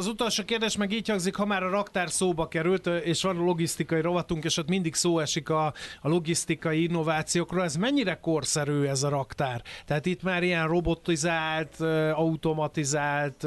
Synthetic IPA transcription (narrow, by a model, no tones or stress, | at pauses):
ɒzut̪o̞lʃoːkeːrd̪eːʃmɛɡiːchɒŋzikhɒmaːɾɒɾɒkt̪aːrsoːbɒkɛɾylt̪eːʃʋɒnlo̞ɡist̪ikɒjiɾo̞bɒt̪uŋkɛːʃot̪mind̪iksoːɛʃikɒlo̞ɡist̪ikɒjiinːovaːt̪sijoːkroːlɛzmɛɲːiɾɛko̞rsɛɾøːɛzɒɾɒkt̪aːrt̪ɛɦaːt̪it̪maːɾijɛnro̞bo̞t̪ːizaːlt̪ːɒut̪o̞mɒt̪izaːlt̪